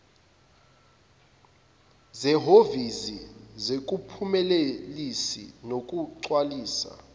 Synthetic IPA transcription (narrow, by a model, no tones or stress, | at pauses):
zɛɦovizizek̬upʰumɛlelisḭnok̬ʼuǀwaliːsa̰